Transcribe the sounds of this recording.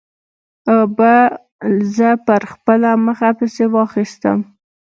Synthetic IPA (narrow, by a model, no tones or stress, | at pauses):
əba | zəpəɾxpəlaməxapəsewɑxist̪ə̰m